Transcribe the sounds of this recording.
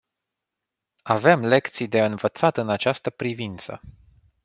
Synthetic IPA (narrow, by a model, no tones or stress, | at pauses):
ave̞mle̞kt̪sijd̪e̞ɨnvət̪sat̪ɨnat͡ʃast̪əpɾivint̪sə̰